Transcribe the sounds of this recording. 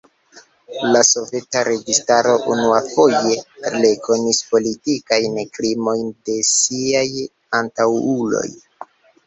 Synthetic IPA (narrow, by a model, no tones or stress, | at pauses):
laso̞ve̞taɾe̞ɡistaɾo̞ʔunuafo̞je̞ɾlekʰo̞nispo̞litikajnkɾimo̞jnde̞siaj | antawulo̞̰j